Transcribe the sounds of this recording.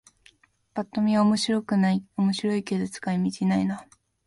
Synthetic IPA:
pat̪ːo̞mʲiβaomo̞ɕiɾo̞kɯ̟naiomo̞ɕiɾo̞iked̪ot͡sɨ̥kaimʲit͡ɕinaina

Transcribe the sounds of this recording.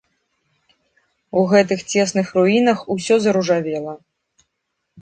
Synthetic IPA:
uɣɛt̪̬ɨxt͡sʲɛsnɨxruinɐxusʲɔzɐɾuʐavʲɛlˠɐ

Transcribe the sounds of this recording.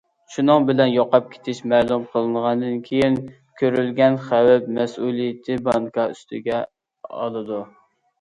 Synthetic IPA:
ʃunɨŋbɪlɛnjoqɑp̚kʲʰe̥t̪ʰɪʃmɛːlˠumqʰəlˠɨnʁɑnd̪ɨnkʲʰejin | kʲʰøɾylɡʲɛnχæwɛpmɛsulˠijɪt̪ʰɪbɑŋkʰɑyst̪ʰɪɡʲɛ | ɑ̰lˠɨd̪u

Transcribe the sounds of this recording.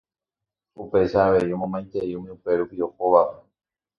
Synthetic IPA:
upe̞ʃaːʋe̞jomõmãj̪̃t̪e̞iumĩupe̞ɾupiohoʋape̥

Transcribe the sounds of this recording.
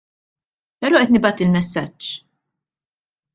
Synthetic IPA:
pɛɾɔːʔɛt̪nɪbɐːt̪ilmɛsːɐt͡ʃː

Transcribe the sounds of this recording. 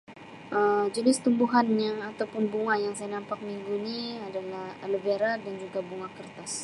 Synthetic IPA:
ʔəmd͡ʒənɪst̪umbuɦanjaat̪awpʊnbuŋajaŋsajanampak̚miŋɡuniadalahləbaɾadand͡ʒuɡabuŋakərt̪as

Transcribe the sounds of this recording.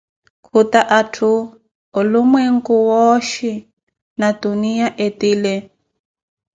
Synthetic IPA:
kʰutaʔatʰuː | lumweŋ̩kuwoʃi | natunijaʔetiːlɛ

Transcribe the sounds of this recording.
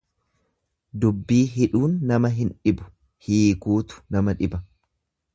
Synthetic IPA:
d̪ʊbːiːɦɪᶑuːnːɐmɐɦɪnᶑɪbʊ̥ | hiːkuːt̪ʊ̥nɐmɐᶑɪbɐ

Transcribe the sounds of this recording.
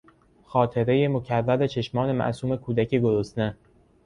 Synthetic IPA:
xɒːt̪ʰe̞ɾe̞jemo̞cʰærːæle̞t͡ʃʰe̞ʃmɒːne̞mæ̰ʔsuːme̞kʰuːd̪æceɡoɾosne

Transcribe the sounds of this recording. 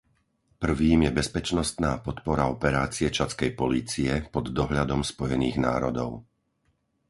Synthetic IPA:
pr̩ʋiːmjɛbɛspɛt͡ʃnɔst̪naːpɔt̪pɔɾaɔpɛɾaːt͡siɛt͡ʃat͡skɛjpɔliːt͡siɛpɔd̪ːɔɦʎad̪ɔmspɔjɛniːɣna̰ːɾɔd̪ɔʊ

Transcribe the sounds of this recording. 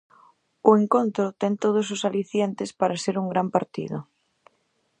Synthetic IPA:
ʊeŋkont̪ɾʊt̪ent̪oð̞os̬osaliθjent̪espaɾaseɾuŋɡɾampaɾt̪ḭðʊ

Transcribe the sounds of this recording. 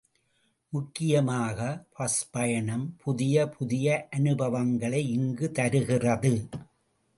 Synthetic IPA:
mʊkːɪjɐmaːɣɐpɐspɐjɐɳɐmpʰʊðɪjɐpʰʊðɪjɐʔɐnɯbɐʋɐŋɡɐɭɐɪɪŋɡɯt̪ɐɾɯɣɪrɐðɯ

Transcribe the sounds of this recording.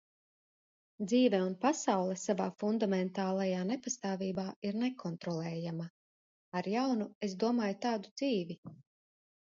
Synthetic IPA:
d̪ziːvɛunpasawlˠɛsavaːfund̪amɛnt̪aːlˠajaːnepast̪aːviːbaːiɾnekʰɔnt̪ɾɔlˠɛːjama | aɾjawnuezd̪uɔmaːjut̪aːd̪ud̪z̥iːvʲi

